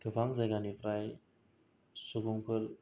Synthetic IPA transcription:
kʰɯpʰaŋzajɡanipʰɾaj | subuŋpʰɯl

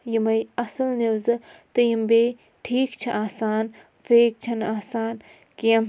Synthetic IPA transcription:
jimɐjɐsɐlniʋzɨt̪ɨjɐmbeː | ʈʰiːkt͡ʃʰiʔaːsaːn | feːk̚t͡ʃʰɐnaːsaːn | kiɐm

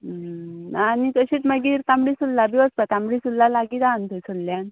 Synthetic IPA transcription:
nanik̪əɕiːt͡s̪məɡiːɾt̪ambɽisulːabiʋəspat̪ãmbɽisulːalaɡiːd̪ant̪əsulːjan

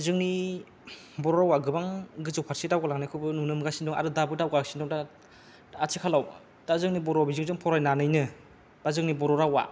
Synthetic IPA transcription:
zɯŋni | bɔɾɔɾawaɡɯbaŋɡɯzɯwpʰaɾsitawɡalaŋnakʰɯbɯnunɯmɡasindɔŋa̰ɾɯdabɯdawɡalaksindɔŋda | atʰikʰalaw | dazɯŋnibɔɾɔwbizɯŋzɯŋpʰɔɾajnanɯjnɯ | b̥azɯŋnibɔɾɔɾawa̰

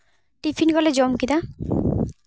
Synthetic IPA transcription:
ʈipʰinɡɔled͡ʑɔmkid̪a

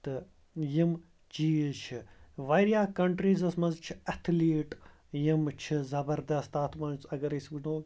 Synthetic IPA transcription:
t̪ɨ | jim | t͡ʃiːt͡ʃʰiʋaɾjaːkɐɳʈɾiːzɐsmɐnzt͡ʃʰi̥ɐt̪ʰliːʈ | jimt͡ʃʰizɐbɐɾd̪ɐst̪aːt̪ʰmɐnt͡sɐɡɐɾɐsbɨnoː

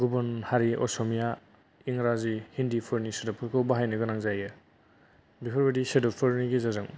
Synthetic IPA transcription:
ɡubɔnhaɾiʔɔ̰sɔmija | iŋɾazihindipʰɯɾnisedɔpʰɯɾkʰɯwbaɦajnɯɡɯnaŋzajɯ | bipʰɔɾbedisedɔpʰɯɾniɡizazɯŋ

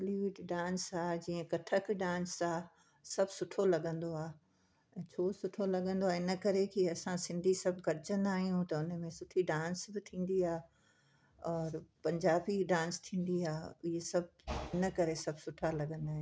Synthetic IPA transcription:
liʋɪʈɖãːnsaːd͡ʑiːə̃kɐʈʰəkɖãːnsaː | sɐbʱsʊʈʰolɐɡə̃nd̪oaː | t͡ɕʰoːsʊʈʰolɐɡə̃nd̪oaːɪnəkɐɾekiɐsãsɪ̃nd̪ʱisɐb̚ʱɡɐɾɪd͡ʑə̃nd̪aːɦijũt̪ɐʊnə̆mẽsʊʈʰiɖãːnsbɪt̪ʰĩːn̆d̪iaː | ɔːɾpɐ̃ɲd͡ʑaːbiɖãːnst̪ʰĩːn̆d̪iaːɪɦesɐb̚ʱɪnəkɐɾesɐbsʊʈʰalɐɡə̃nd̪aːɦẽ

